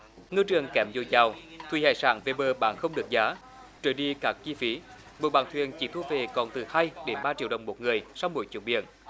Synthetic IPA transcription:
ŋɨ˧t͡ɕɨ˨˩əŋkɛ˨˩mzo˧˩jzaː˨˩wt̪ʰwi˧˩ha̰ː˧˨jsa̰ː˧˩nve˨˧˩ɓəː˧˩ɓa̰ː˧˨nxə˧wŋ͡mɗɨ˨˩ək̚zaː˨˦ | t͡ɕo˧˨˩jɗi˧kaː˦˥k̚t͡ɕi˧fi˨˦ | mo˨˩ɓa̰ː˧˨nt̪ʰwḭ˧˨ənt͡ɕḭ˧˩˦t̪ʰu˧ve˨˩kɔ˨˩nt̪ɨ˨˩haː˧jɗe˨˦nɓaː˧t͡ɕi˧˥ɗə˨˩wŋ͡mmo˨˩t̚ŋɨ˨˩əjsa˧wmṵ˧˦jt͡ɕḭ˧˨əɓḭ˧˨ən

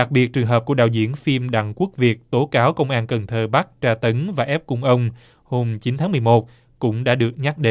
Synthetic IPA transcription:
ɗa˨˩k̚ɓi˨˩t̚t͡ɕɨ˨˩əŋɦəː˨˩p̚ku˧˩əɗaː˨˩wzḭ˧˩ənfi˧mɗa̰˧˨ŋkwu˦˥ək̚vi˨˩ək̚t̪o˨˦kaː˨˦wkə˧wŋ͡mʔaː˧nkə˨˩nt̪ʰəː˧˩ɓa˦˥k̚t͡ɕaː˧t̪ə˨˦nvaː˨˩ʔɛ˦˥p̚kʊ˧ŋ͡mʔə˧wŋ͡m | ho˧mt͡ɕi˨˦nt̪ʰaː˨˦mɨ˨˩əjmo˨˩t̚ | kʊ̰˧˥ŋ͡mɗa̰ː˧˥ɗɨ˨˩ək̚ɲa˦˥t̚ɗe˨˧˦

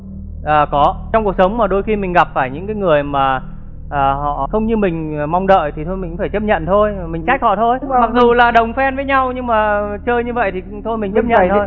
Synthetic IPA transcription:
ʔəː˨˩kɔ˨˦t͡ɕɔ˧ŋ͡mku˨˩ək̚sə˨˦wŋ͡mmaː˨˩ɗo˧jxi˧mï˨˩ŋ̟ɣa˨˩p̚faː˧˩jɲɨ̰˧˥kaː˨˦jŋɨ˨˩əjmaː˨˩ | ʔəː˨˩hɔ̰˧˨xə˧wŋ͡mɲɨ˧mï˨˩ŋ̟ː˨˩ma˧wŋ͡mɗə̰ː˧˨jt̪ʰi˨˩t̪ʰo˧jmï˨ŋ̟faː˧˩jt͡ɕə˦˥p̚ɲə̰˧˨nt̪ʰo˧jmï˨˩ŋ̟t͡ɕa˦˥k̟̚hɔ̰˧˨t̪ʰo˧jma˨˩k̚zu˨˩laː˨˩ɗə˨˩wŋ͡mfɛ˧nvəː˨˦jɲa˧wɲɨ˧ŋmaː˨˩t͡ɕəː˧jɲɨ˧və̰˧˨jt̪ʰi˨˩˥t̪ʰo˧jmi˨˩ŋt͡ɕə˦˥p̚ɲə̰˧˨nt̪ʰj

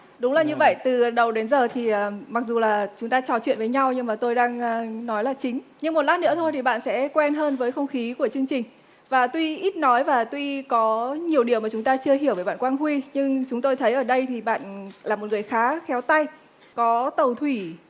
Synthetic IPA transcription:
ɗʊ˨˦ŋ͡mlaː˨˩ɲɨ˧və̰˧˨jt̪ɨ˨˩˨ɗə˨˩wɗe˨˦nzəː˨˩t̪ʰi˨˩ʔəː˨˩ma˨˩k̚zu˨˩laː˨˩t͡ɕʊ˨˦ŋ͡mt̪aː˧t͡ɕɔ˨˩t͡ɕwḭ˧˨ənvəː˨˦jɲa˧wɲɨ˧ŋmaː˨˩t̪o˧jɗaː˧ŋː˧nɔ˨˦jlaː˨˩t͡ɕï˨˦ŋ̟ɲɨ˧ŋmo˨˩t̚laː˦˥nɨ̰˧˥ət̪ʰo˧jt̪ʰi˨˩ɓa̰ː˧˨nsɛ̰˧˥kwɛ˧nɦəː˧nvəː˨˦jxə˧wŋ͡mxi˨˦ku˧˩ət͡ɕɨ˧əŋt͡ɕï˨˩ŋ̟ | vaː˨˩t̪wi˧ʔi˦˥t̚nɔ˨˦jvaː˨˩t̪wi˧kɔ˨˦ɲi˨˩əwɗi˨˩əwmaː˨˩t͡ɕʊ˨˦ŋ͡mt̪aː˧t͡ɕɨ˧əɦi˧˩əwvəː˨˦jɓa̰ː˧˨kwaː˧nɦwi˧ɲɨ˧ŋt͡ɕʊ˨˦ŋ͡mt̪o˧jt̪ʰə˨˦jʔəː˧˩ɗə˧jt̪ʰi˨˩ɓa̰ː˧˨nlaː˨˩m˨˩t̚ŋɨ˨˩əjxaː˨˦xɛ˨˦wt̪a˧j | kɔ˨˦t̪ə˨˩wt̪ʰwi˧˩

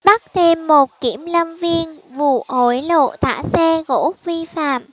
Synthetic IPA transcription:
ɓa˦˥t̚t̪ʰe˧mːo˨˩t̚ki˧˩əmlə˧mvi˧ənvṵ˧˨ʔo˨˩jlo̰˧˨t̪a̰ː˧˥sɛ˧ɣo̰˧˥vi˧fa̰ː˧˨m

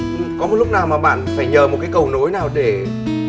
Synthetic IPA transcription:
kɔ˨˦mo˨˩lʊ˥k͡p̚naː˨˩wmaː˨˩ɓa̰ː˧˨nfaː˧˩jɲəː˨˩mo˨˩kaː˨˦jkə˨˩wno˨˦jnaː˨˩wɗe˧˩

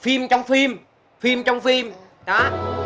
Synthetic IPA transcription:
fi˧mt͡ɕɔ˧wŋ͡mfi˧m | fi˧mt͡ɕɔ˧wŋ͡mfi˧m | ɗɔ˨˦

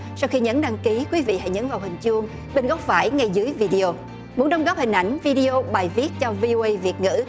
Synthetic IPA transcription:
sa˧wxi˧ɲə˨˥nɗaː˧ŋki˨˦kwi˨˦vḭ˧˨ha̰˧˥jɲə̰˧˥nvaː˨˩whï˨˩ŋ̟t͡ɕu˧əŋ | ɓe˧nɣɔ˦˥wk͡p̚vaː˧˩jŋa˧jzɨ˨˦əjvi˧ɗi˧o˧ | mu˨˦ənɗə˧wŋ͡mɣɔː˦˥p̚hï˨˩ŋ̟ʔa˧˩jŋ̟vi˧ɗi˧o˧ɓaː˨˩jvi˦˥ət̚t͡ɕɔ˧vi˧o˧ʔə˧jvi˨˩ət̚ŋɨ̰˧˥

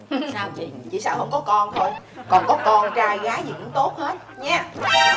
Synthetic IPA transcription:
t͡ɕḭ˧˩saː˧whə˧wŋ͡mkɔ˨˦kɔ˧nt̪ʰo˧j | kɔ˨˩nkɔ˨˦kɔ˧nt͡ɕaː˧jɣaː˨˦zḭ˨˩ʔɨ˧˨˦ŋ͡mt̪o˦˥t̚he˦˥t̚ɲɛː˨˦˥

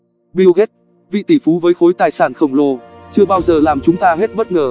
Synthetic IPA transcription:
ɓi˧wɣe˦˥t̚ | vḭ˧˨t̪i˧˩fu˨˦vəː˨˦jxo˨˦jt̪aː˨˩jsaː˧˩nxə˧˩wŋ͡mlo˧t͡ɕɨ˧əɓaː˧wzəː˨˩laː˨˩mt͡ɕʊ˨˦ŋ͡mt̪aː˧ɦe˦˥t̚ɓə˦˥t̚ŋəː˨˩

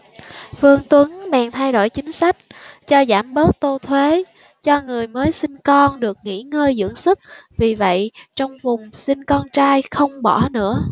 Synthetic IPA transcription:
vɨ˧əŋt̪wə˨˦ŋmɛ̰˨˩ŋt̪ʰa˧jɗo̰˧˩˨jt͡ɕï˨˦ŋ̟sa˦˥jk̟̚t͡ɕɔ˧zaː˧˩mɓəː˦˥t̚t̪o˧t̪ʰwe˨˦ | t͡ɕɔ˧ŋɨ˨˩əjməː˨˦jsi˧nkɔ˧nɗɨ˨˩ək̚ŋḭ˧˥ŋəː˧jzɨ̰˧˥əŋsɨ˦˥k̚vi˨˩və̰˧˨jt͡ɕɔ˧wŋ͡mvʊ˨˩ŋ͡msï˧nkɔ˧nt͡ɕaː˧jxə˧wŋ͡mɓɔ˧˩nɨ̰˧˥ə

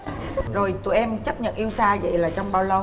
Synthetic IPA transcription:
zo˨˩jt̪ṵ˧˩˨ʔɛ˧mt͡ɕə˦˥p̚ɲə̰˧˨nʔi˧əwsaː˧zə̰˧˨jlaː˨˩t͡ɕɔ˧wŋ͡mɓaː˧wlə˧w

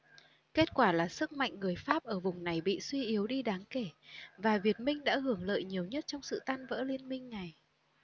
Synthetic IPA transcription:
ke˦˥t̚kwaː˧˩laː˨˩sɨ˦˥k̚ma̰˧˨jŋ̟ŋːɨ˨˩əjfaː˦˥p̚ʔəː˧˩vʊ˨˩ŋ͡mna˨˩jɓḭ˧˨swi˧ʔi˨˦əwɗi˧ɗaː˨˦ŋke˧˩vaː˨˩vi˨˩ət̚mï˧ŋ̟ɗa̰ː˧˥hɨ˧˩əŋlə̰ː˧˨jɲi˨˩əwɲə˦˥t̚t͡ɕɔ˧wŋ͡msɨ̰˧˨t̪aː˧nvə̰ː˧˥li˧ənmï˧ŋ̟na˨˩j

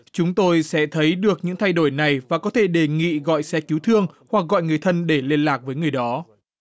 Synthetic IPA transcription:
t͡ɕʊ˨˦ŋ͡mt̪o˧jsɛ̰˧˥t̪ʰə˨˦jɗɨ˨˩ək̚ɲɨ̰˧˥ŋt̪ʰa˧jɗo˧˩jna˨˩jvaː˨˩kɔ˨˦t̪ʰe˧˩ɗe˨˩ŋḭ˧˨ɣɔ̰˧˨jsɛ˧˥ki˨˦wt̪ʰɨ˧əŋhwa˨˩k̚ɣɔ̰˧˨jŋɨ˨˩əjt̪ʰə˧nɗe˧˩le˧ənlaː˨˩k̚vəː˨˦jŋɨ˨˩əjɗɔ˨˦

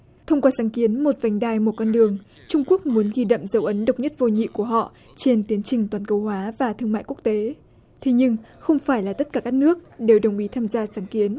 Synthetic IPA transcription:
t̪ʰə˧wŋ͡mkwaː˧saː˨˦ŋki˨˦ənmo˨˩t̚va˨˩jŋ̟ɗaː˧jmo˨˩kwɔ˧nɗɨ˨˩əŋ | t͡ɕʊ˧ŋ͡mku˦˥ək̚mu˨˦ənɣi˧ɗə̰˧˨mzə˨˦wʔə˨˦nɗə˨˩wk͡p̚ɲə˦˥t̚vo˧ɲḭ˧˨ku˧˩əɦɔ̰˧˨ | t͡ɕe˧nt̪i˨˦ənt͡ɕï˨˩ŋ̟t̪waː˨˩nkə˧whwaː˨˦vaː˨˩t̪ʰɨ˧əŋma̰ː˧˨jku˦˥ək̚t̪e˨˦ | t̪ʰe˨˦ɲɨ˧ŋxə˧wŋ͡mfaː˧˩jlaː˨˩t̪ə˦˥t̚kaː˧˩kaː˦˥k̚nɨ˦˥ək̚ɗe˨˩wɗə˨˩wŋ͡mʔi˨˦t̪ʰaː˧mzaː˧saː˨˦ŋki˨˦ən

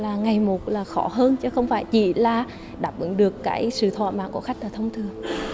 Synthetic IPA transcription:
laː˨˩ŋa˨˩jmo˨˩t̚laː˨˩xɔ˧˩˥ɦəː˧nt͡ɕɔ˧˦xə˧wŋ͡mfaː˧˩jt͡ɕḭ˧˩laː˨˩ | ɗaː˨˩p̚vɨ̰˧˩˦ŋɗɨ˨˩əkːaː˧˩jsɨ̰˧˨t̪ʰwa̰ː˧˨ma̰ː˧˨ŋku˧˩xa˦˥k̟̚laː˨˩t̪ʰə˧wŋ͡mt̪ʰɨ˨˩əŋ

